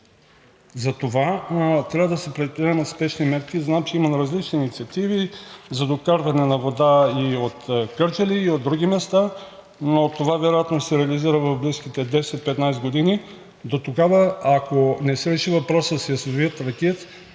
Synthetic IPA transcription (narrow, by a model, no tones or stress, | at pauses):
zɐt̪ovat̪ɾʲavəd̪ɐsɛpɾɛd̪̚pɾiɛmɐt̪spɛʃnimɛɾkʲiznamt͡ʃɛimɐnɾɐzlit͡ʃniːnit̪siɐt̪ivizɐd̪okaɾvɐnɛnɐvod̪aiot̪kəɾt͡ʃɛliːod̪ːɾuɡʲimɛst̪a | not̪ovavɛɾojat̪nosɛɾɛɐliziɾəvɐvbliskit̪ɛd̪ɛsɛt̪̚pɛt̪najsɡod̪ini | d̪ot̪oɡavəːkonɛsɛɾɛʃivɐpɾɔsəsɛjɐsɐziət̪ɾɐkʲɛt̪